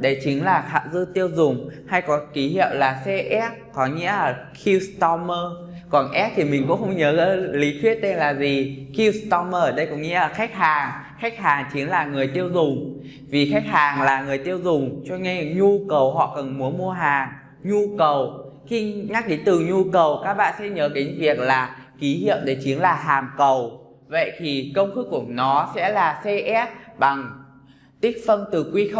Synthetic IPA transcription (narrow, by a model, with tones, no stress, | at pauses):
ɗə˧˩t͡ɕï˨˦ŋ̟laː˨˩xa̰ː˧˨wzɨ˧t̪i˧əwzʊ˨˩ŋ͡mha˧jkɔ˨˦ki˨˦ɦḭ˧˨əwlaː˨˩sɛ˧ʔɛ˦˥p̚kɔ˨˦ŋḭ˧˥əlaː˨˩kʰi˧st̪ɔ˧məː˧ | kɔ˨˩nʔɛ˦˥p̚t̪ʰi˨˩mï˨˩ŋ̟kʊ̰˧˥ŋ͡mxə˧wŋ͡mɲəː˨˦ə˨˦li˨˦t̪ʰwi˦˥ət̚t̪e˧nlaː˨˩zi˨˩ki˧wst̪ɔ˧məː˧˩ɗə˧jkʊ̰˧˥ŋ͡mŋḭ˧˥˦ʔaː˨˩xa˦˥jk̚ɦaː˨˩ŋ | xa˦˥k̚ɦaː˨˩ŋt͡ɕï˨˦ŋlaː˨˩ŋɨ˨˩əjt̪i˧əwzʊ˨˩ŋ͡m | vi˨˩xa˦˥jk̚haː˨˩ŋlaː˨˩ŋɨ˨˩əjt̪i˧əwzʊ˨˩ŋ͡mt͡ɕɔ˧ŋa˧˨ɲu˧kə˨˩wɦɔ̰˧˨kə˨˩nmu˨˦əmu˧əɦaː˨˩ŋ | ɲu˧kə˨˩w | xi˧ɲa˦˥k̚ɗi˨˦t̪ɨ˨˩ɲu˧kə˨˩wkaː˦˥k̚ɓa̰ː˧˨nsɛ̰˧˥ɲəː˧˨˦ki˨˦ŋ̟vi˨˩ək̚laː˨˩ki˨˦ɦḭ˧˨əwɗe˧˩t͡ɕi˨˦ənlaː˨˩ɦaː˨˩mkə˨˩w | və̰˧˨jt̪ʰi˨˩kə˧wŋ͡mxɨ˦˥kːu˧˩ənɔ˨˦sɛ̰˧˥laː˨˩sɛ˧ʔɛ˦˥p̚ɓa˨˩ŋ | t̪i˦˥k̟̚fə˧nt̪ɨ˨˩kwi˧x